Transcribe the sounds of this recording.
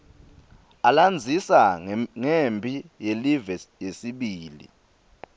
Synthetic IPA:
aland͡zʱisaŋembʱʼijelivɛjesiɓiːlḭ

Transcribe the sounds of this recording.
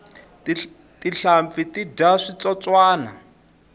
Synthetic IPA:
tiɬamfitidaʂit͡sɔt͡swaːna

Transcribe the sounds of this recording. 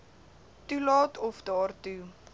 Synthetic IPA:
tulɑːtɔfdɑːrtu

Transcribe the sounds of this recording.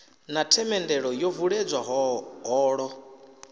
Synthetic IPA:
natʰɛmɛndɛɺɔjɔvuɺed͡zwaɦɦɔːɺɔ

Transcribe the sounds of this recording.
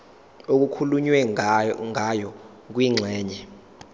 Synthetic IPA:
ok̬ukʰuluɲwɛŋʱajɔ | k̬ʼwiŋ͡ǁʱɛːɲɛ

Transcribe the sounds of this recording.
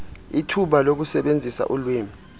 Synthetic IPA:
itʰuɓalok̬usɛɓend͡zʱisa̰ʔulweːmi

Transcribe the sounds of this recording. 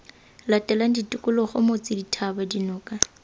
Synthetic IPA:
latʼɛlan̩ditʼʊkʼʊlɔχʊmot͡sʼɪditʰabadinʊːkʼa

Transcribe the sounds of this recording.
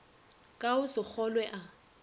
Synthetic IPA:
kʼaʊsɪk͡xʰɔlwɛʔa

